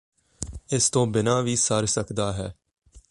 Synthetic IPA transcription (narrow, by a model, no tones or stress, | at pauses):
ɪst̪õːbɪnaːʋiːsəɾsəkʰd̪aːɦɛː